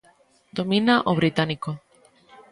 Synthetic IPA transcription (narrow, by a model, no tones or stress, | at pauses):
d̪̥ominaʔoβɾit̪aniko